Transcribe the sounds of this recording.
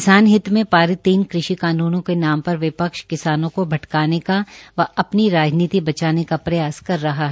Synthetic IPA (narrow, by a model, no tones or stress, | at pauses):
kɪsaːnɦɪt̪mẽpaːɾɪt̪iːnkɾɪʃikaːnuːnõkenaːmpɐɾʋɪpəkʃkɪsaːnõkobʱɐʈkaːnekaʋɐɐpniɾaːd͡ʒniːt̪ibɐt͡ʃaːnekapɾɐjaːskɐɾːɐɦaɦɛ